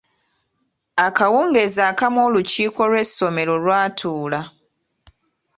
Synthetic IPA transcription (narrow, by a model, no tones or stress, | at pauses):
akawuːŋɡe̞ːzaːkamoːluciːko̞lwe̞so̞me̞lo̞lwaːtʰuːla